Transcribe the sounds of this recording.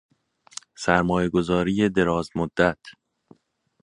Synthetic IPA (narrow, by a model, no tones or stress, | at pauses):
sæɾmɒːjeɡo̞zɒːɾiːje̞d̪e̞ɾɒːzmod̪ːæt̪ʰ